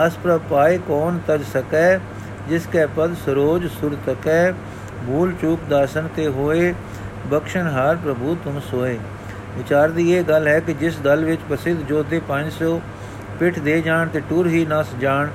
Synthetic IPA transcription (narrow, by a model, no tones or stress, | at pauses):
əspɾəpaːiːkɔːnt̪əd͡ʒsəkɛː | d͡ʒɪskɛːpəd̪səɾoːd͡ʒsʊɽt̪əkɛː | bʱuːlt͡ʃuːkd̪aːsənt̪eːɦoːeː | bəkʃəɳɦaːɾpɾəbuːt̪ʊ̃ːsoːeː | ʋɪt͡ʃaːɾd̪iːeːɡəlɦɛːkɪd͡ʒɪsd̪əlʋɪt͡ʃpəsɪd̪d͡ʒoːt̪eːpəɲd͡ʒsoː | pɪʈʰd̪eːd͡ʒaːɳt̪eːʈʊɾɦiːnasd͡ʒaːɳ